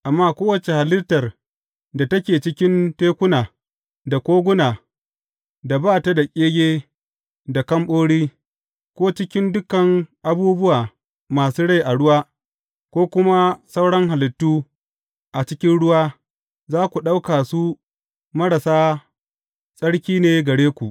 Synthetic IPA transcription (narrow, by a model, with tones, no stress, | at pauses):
ʔa˨mːaː˦kʷoː˦wɐ˨t͡ʃe˨ha˨lɪ˦tɐ˨r | da˨tɐ˦kʲeː˨t͡ʃɪ˦kʲɪ˦nteː˦kʷʊ˦naː˨ | da˨kʷoː˦ɡʷʊ˦naː˨ | da˨baː˦ta˦da˨kʲʼeː˦ɡʲeː˦ | da˨kɐ˦mɓoː˦ɽiː˦ | kʷoː˦t͡ʃɪ˦kʲɪ˦ndʊ˦kɐ˨ŋʔa˨buː˦bʊ˦waː˨ | maː˨suː˦ɽa˦˨jʔa˨ɽʊ˦waː˦ | kʷoː˦kʷʊ˦ma˦sa˦wɽɐ˦ŋha˨lɪ˨tːuː˦ | ʔa˨t͡ʃɪ˦kʲɪ˦nɽʊ˦waː˦ | zaː˦kʷu˨ɗa˦wkaː˨su˦ | mɐ˦ɽa˨saː˦ | sʼɐ˦ɽkʲiː˦neː˦ɡɐ˨ɽeː˦kʷu˨ʔ